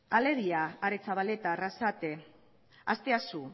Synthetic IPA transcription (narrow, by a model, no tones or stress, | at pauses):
ale̞ɾiaːɾet͡saβalet̪arasat̪e | a̰st̪e̞asu